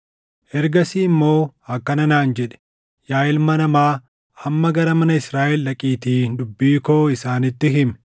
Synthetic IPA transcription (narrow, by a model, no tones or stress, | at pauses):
ʔɛɾɡɐsiːmːo̞ːɐkːɐnɐnaːnd͡ʒɛᶑɛ̥ | jaːjɪlmɐnɐmaː | ɐmːɐɡɐɾɐmɐnɐɪsɾaːʔɛlːɐkʼiːt̪iːnd̪ʊbːiːkoːɪsaːnɪt̪ːɪɦɪmɛ̥